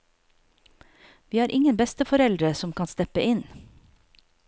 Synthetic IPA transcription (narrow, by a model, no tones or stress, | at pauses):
ʋiːæːɾʔɪŋənbɛst̪əfɔɾɛld̪ɾəsɔmkʰɑnst̪ɛpəʔɪn